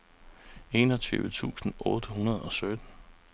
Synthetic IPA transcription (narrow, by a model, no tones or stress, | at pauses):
e̝̰nɒt͡sʰy̰ːʊət͡sʰṵːsn̩ɔːd̥əɦunɐðˠɒ̽sød̥n̩